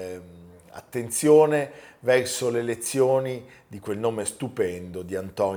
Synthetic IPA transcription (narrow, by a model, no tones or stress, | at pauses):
a̰t̪ːent̪sjoːnevɛrsoleːlet̪sːjoːni | d̪ikwelnoːmest̪upɛnd̪od̪iant̪ɔn